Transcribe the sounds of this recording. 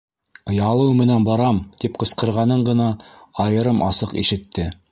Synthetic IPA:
ŏjɑlˠɤwmɘ̆nænbɑɾɑmt̪ip̚qɤ̆sqɤ̆ɾʁɑnɤɴɢɤ̆nɑɑjɤ̆ɾɤmʔɑ̰sɤqḭʃɘ̆t̪ːɘ

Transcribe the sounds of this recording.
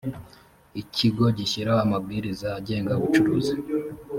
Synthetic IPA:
icʰiɡo̞ɟiʃiɾaamabɡiːɾizaːɟe̞ːŋɡaβut͡ʃuɾuːzi

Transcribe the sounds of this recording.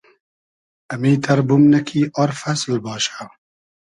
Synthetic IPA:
ʔɐmiːt̪ʰɐɾbʊmnɐkʰiːʔɐɾfɐslbɑːʃḁ

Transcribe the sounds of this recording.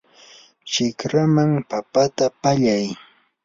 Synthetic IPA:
t͡ʃɪkɾamaŋpapat̪apaʎaj

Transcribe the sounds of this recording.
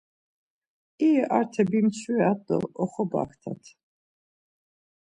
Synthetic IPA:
iɛʔaɾt̪ʰɛbimt͡sʰiɛat̪ʼɔ̰ɔχɔba̰kʰt̪ʰa̰t̪ʰ

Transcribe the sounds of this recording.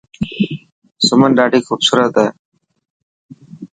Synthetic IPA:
sʊmənɖaːɖiːxuːbsuːɾət̪ɛː

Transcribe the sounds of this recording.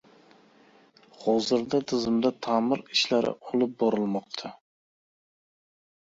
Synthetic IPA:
hɒzɪɾd̪at̪ʰɪzɪmd̪at̪ʰamɪɾɪʃlaɾɪ̰ʔolˠɪp̚bɒɾɪlˠmɒq̚t̪ʰa

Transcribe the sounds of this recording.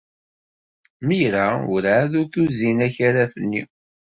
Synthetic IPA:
miɾaʊ̰ɾaðuɾθuzinæçaɾæfənːi

